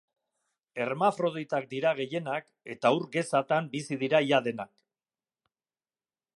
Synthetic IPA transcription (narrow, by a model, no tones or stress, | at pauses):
e̞ɾmafɾo̞ðejt̪ak̚d̪iɾaɣe̞je̞nak | e̞t̪auɾɡe̞sat̪ambisiðiɾaiaðe̞nak